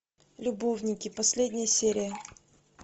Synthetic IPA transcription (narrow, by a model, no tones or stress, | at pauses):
lʲʊbovnʲɪkʲɪpɐsʲlʲedʲnʲɪjəsʲeɾʲɪjə